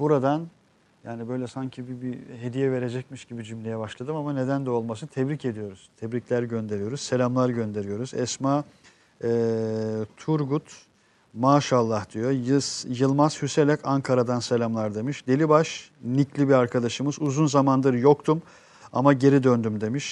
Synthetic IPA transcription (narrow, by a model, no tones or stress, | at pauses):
buɾad̪an | jaːnibø̞jlʲɛsaɲcʰibibiɦe̞d̪ijɛve̞ɾed͡ʒɛc̚miʃɟibid͡ʒymlʲe̞jɛbaʃlˠad̪ɯmamane̞d̪ænd̪ɛo̞lˠmasɯnt̪ʰɛbɾice̞d̪ijo̞ɾuz̥t̪ʰɛbɾiclʲæɾɟø̞nd̪e̞ɾijo̞ɾuz̥se̞lʲamlˠaɾɟø̞nd̪e̞ɾijo̞ɾuzɛsmaː | ɛ | t̪ʰuɾɡut̪ | maːʃalˠːahd̪̥ijo̞jɯjɯlˠmaz̥hyse̞lʲɛcaŋkʰaɾad̪anse̞lʲamlˠaɾd̪e̞miʃd̪e̞lʲibaʃniclʲibiaɾkʰad̪aʃɯmɯzuzunzamand̪ɯɾjo̞k̚t̪ʰum | a̰maɟe̞ɾid̪ønd̪ymd̪e̞miʃ